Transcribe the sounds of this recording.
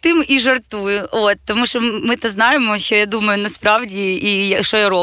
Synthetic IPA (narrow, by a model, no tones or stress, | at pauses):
t̪ɪmiʒɐrt̪ujʊʔot̪ːɔmuʃɔmɪt̪ɛznɑjɪmɔʃt͡ʃɔjad̪umɐjʊnɐspɾɑwdʲiijɐʃɔjaɾo